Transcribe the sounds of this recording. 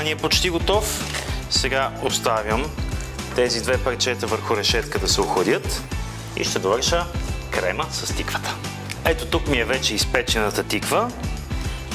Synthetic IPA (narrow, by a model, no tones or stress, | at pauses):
niɛpot͡ʃt̪iɡot̪ɔfsɛɡaost̪avʲjəm | t̪ɛzid̪vɛpɐɾt͡ʃɛt̪əvəɾxʊɾɛʃɛt̪kəd̪ɐsɛoxɐd̪ʲɤt̪ | ḭʃt̪ɛd̪ovəɾʃəkɾɛməsɐst̪ikvə̥t̪ə̥ | ɛt̪ot̪ukmiɛvɛt͡ʃɛispɛt͡ʃɛnət̪ət̪ikvə